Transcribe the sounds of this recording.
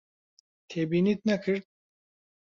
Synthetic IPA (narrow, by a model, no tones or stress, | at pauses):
t̪ʰebinit̪nɛkʰɨɾ̚